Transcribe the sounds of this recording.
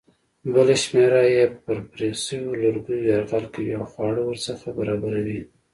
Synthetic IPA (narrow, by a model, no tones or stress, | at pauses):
bəleʃmeɾajepəɾpɾesəwolaɾɡujoaɾɣɑlkawiawxwɑɽəwəɾsaxabaɾɑbaɾawi